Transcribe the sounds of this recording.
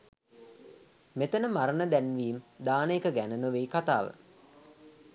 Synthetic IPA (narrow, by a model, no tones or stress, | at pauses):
met̪ənəmaɾənəd̪ænʋiːmd̪aːnəekəɡænənoʋeːkat̪aːʋə̰